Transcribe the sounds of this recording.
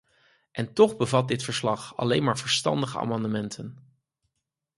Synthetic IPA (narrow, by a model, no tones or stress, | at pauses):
ʔɛntɔχbəvɑt̚dɪtfəɹslɑχɑ̰lejnmaːɹvəɹstɑ̰ndəχəa̰ːmɑndəmɛntʰən